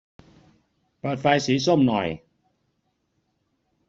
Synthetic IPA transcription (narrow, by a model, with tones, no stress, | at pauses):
pa˨˩t̪̚fa˧jsiː˩˦so˥˩mnɔ̰˨˩j